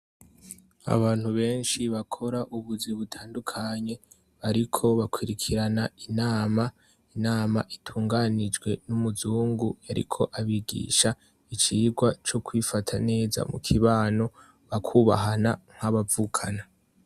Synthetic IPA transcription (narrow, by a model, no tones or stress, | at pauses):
a̰βaːn̥huβe̞ːnʃiβakʰo̞ɾaʔuβuziβutʰaːndukʰaɲe̞ | βaɾikʰo̞βakwiɾikʰiɾanainaːma | inaːmaʔitʰuːŋɡanid͡ʒwe̞numuzuːŋɡujaɾḭkʰo̞ʔaβiɡḭːʃa | it͡ʃiːɡwat͡ʃokwifatʰane̞ːza̰mukʰiβaːno̞ | βakʰuːβa̰ɦanaŋ̥haβavuːkʰana